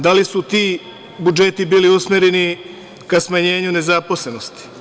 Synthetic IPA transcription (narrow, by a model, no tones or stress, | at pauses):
d̪alisut̪iː | bud͡ʒe̞t̪ibiːliusmʲeɾeni | kasmaɲe̞ːɲune̞zapo̞sle̞no̞st̪i̥